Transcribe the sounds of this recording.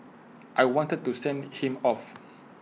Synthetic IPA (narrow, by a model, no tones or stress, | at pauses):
ʔajwɔ̃ntəd̚tːusɛ̃nhĩmɔf